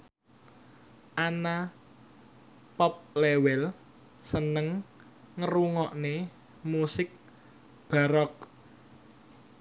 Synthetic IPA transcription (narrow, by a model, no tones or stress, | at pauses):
ʔana | pɔp̚lewɛl | sənəŋ | ŋəɾuŋɔʔne | musɪk̚ | b̥a̤ɾɔk̚